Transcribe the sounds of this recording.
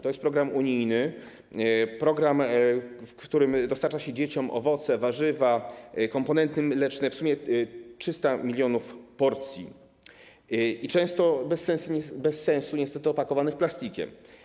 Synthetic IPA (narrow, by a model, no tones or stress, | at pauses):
t̪ɔjɛst̪pɾɔɡɾamuɲijnɘ | pɾɔɡɾamfkt̪uɾɘmd̪ɔst̪aɾt͡ʂaɕɛd͡ʑet͡ɕɔmʔɔ̰vɔt̪sɛvaʐɘvakɔmpɔnɛnt̪ɘmlɛt͡ʂnɛfsumʲjɛtʂɘst̪amʲilʲjɔnufpɔɾt̪sʲjḭ | it͡ʂɛ̃w̃st̪ɔbɛsːɛ̃ñsuɛbɛsːɛ̃w̃suɲɛst̪ɛt̪ɘɔpakɔvanɘxplast̪ʲikʲɛ̰m